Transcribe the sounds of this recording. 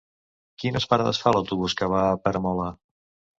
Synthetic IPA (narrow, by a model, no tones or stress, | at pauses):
kinəspaɾaðə̰sfaləwt̪uβuskəβapəɾəmɔlə